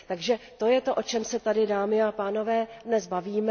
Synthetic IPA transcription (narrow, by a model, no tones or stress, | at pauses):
t̪aɡʒɛt̪o̞jɛt̪o̞ʔo̞t͡ʃɛmsɛt̪adɪdaːmɪapaːno̞vɛːdnɛzbaviːmɛ